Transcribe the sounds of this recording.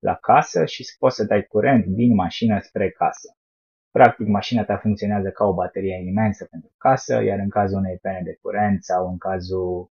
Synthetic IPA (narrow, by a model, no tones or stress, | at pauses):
lʔa̰kʰasəʃispot̪səd̪ajkuɾʔe̞nt̪d̪inmaʃinəspɾe̞kasə̥ | pɾak̚t̪ikmaʃinat̪afuŋkt̪sio̞neazəkao̞bat̪e̞ɾije̞ime̞nsəpe̞nt̪ɾukasə̰jʔaɾɨŋkazulunejpened̪e̞k̚uɾe̞nt̪sawɨŋkazu